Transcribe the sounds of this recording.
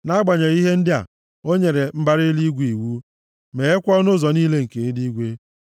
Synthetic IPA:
na˦a˦ɡ͡ba˨ɲe˨ɾi˦ɦe˦n̩˦dɪ˦a̰˨ | o˦ɲe˨ɾe˨m̩˦ba˦ɾɪ˦li˦ɡʷi˨wu˦ | me˨e˦kʷɔ˦nʊ˦zɔ˨niː˦le˦ŋ̩˨ke˨˦di˦ɡʷe˦

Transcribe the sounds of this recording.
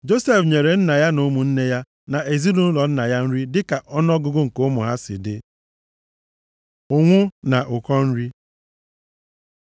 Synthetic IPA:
d͡ʒo˦se˦fɲe˨ɾe˨n̩˦na˨ja˦no˦mu˨n̩˦ne˦ja˦ | na˨ʔe˨zi˦du˦n̩˦lɔ˨n̩˦na˨ja˦n̩˦ɾi˦dɪ˦ka˨ʔɔ˦nɔ˦ɡʊ˦ɡʊ˦ŋ̩˨ko˦mʊ˨ɦa˦sɪ̰˨dɪ˦ | ʊ˨ŋʷʊ˦na˨ʔʊ˨kɔ˦n̩˦ɾi˦

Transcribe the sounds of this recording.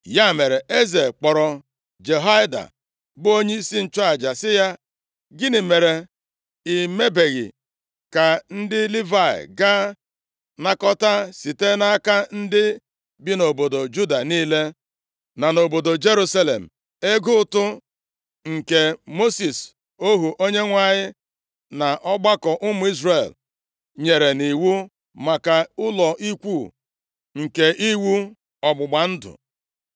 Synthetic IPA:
ja˦˨me˨ɾe˨e˦ze˨k͡pɔ˨ɾɔ˨ | d͡ʒe˨ɦa˦ɪ˦da̰˨ | bʊ˦o˦ɲe˦i˦si˦n̩˦t͡ʃa˨d͡ʒa˨sɪ˦ja˦ | ɡɪ˦nɪ˨me˨ɾe˨ | i˨me˦be˨ɣɪ̰˨ | ka˨n̩˦dɪ˦li˦va˦˨ɪ̰˨ɡa˦ | na˦kɔ˦ta˦si˨te˦na˦ka˦n̩˦dɪ˦ | bi˦no˨bo˨do˨d͡ʒu˦da˨niː˦le˦ | na˨no˨bo˨do˨d͡ʒe˦ɾu˦sa˦le˨m̩˨ | e˦ɡʊ˦tʊ˦ | ŋ̩˨ke˨mo˦si˨s | o˦ɦu˨ʔo˦ɲe˦ŋʷa˨ɲɪ˦ | na˨ʔɔ˦ɡ͡ba˦kɔ˨ʔʊ˦mʊ˨˦i˦zre˨l | ɲe˨ɾe˨ni˨wu˦ | ma˨ka˨ʊ˦lɔ˨ʔi˦kʷuː˦˨ | ŋ̩˨ke˨ʔi˦wu˦ | ɔ˨ɡ͡bʊ˨ɡ͡ba˨n̩˦dʊ̰˨

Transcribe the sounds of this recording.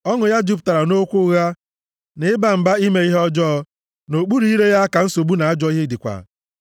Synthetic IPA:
ɔ˦ŋʊ˨ja˦d͡ʒu˦pta˨ɾa˨no˦kʷʊ˦ɣa˦ | nɪ˨ɪ˦ba˨m̩˨ba˦i˦me˨˦i˦ɦɔ˦d͡ʒɔː˦ | no˨k͡pu˦ɾi˦i˦ɾe˦ja˦a˦ka˨n̩˦so˨bu˦na˨a˦d͡ʒɔ˦i˦ɦe˦dɪ˨kʷa̰˨

